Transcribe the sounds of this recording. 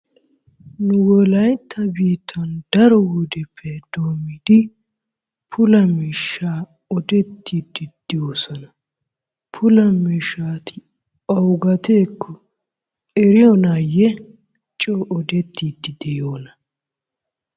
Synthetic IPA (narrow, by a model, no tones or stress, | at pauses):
nʊwɔlɐjt̪ʰːɐbiːt̪ʰːɐnd̪̥ɐɾɔwud̪ɛpʰːɛd̪̥oːmːid̪̥ɪ | pʰʊlɐmiːʃːaː | ɔd̪ɛt̪ːiːd̪ːɪd̪̥ɪjoːsɔnɐ | pʰʊlɐmiːʃaːt̪ʰɪ | ɔwɡɐt̪eːkʰːɔ | ɛɾɪjɔnaːjɛ | t͡ʃʼoːʔɔd̪ɛt̪ːiːd̪ːɪd̪ɛjoːnɐ